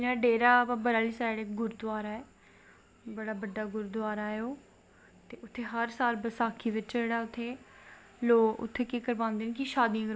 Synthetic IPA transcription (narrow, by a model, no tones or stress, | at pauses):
ɪnãːɖeːɾaːpãːbəɾaːliːsaːɽeːɡʊɾd̪ʊaːɾaːɛː | bəɽaːbəɖːaːɡʊɾd̪ʊaːɾaːɛoː | t̪eːʊt̪ʰːeːɦəɾsaːlbəsaːkʰiːʋɪt͡ʃd͡ʒeːɽaːʊt̪ʰːeː | loːʊ̰t̪ʰːeːkekəɾʋãːnd̪eːnekɪʃaːd̪ĩãkəɾ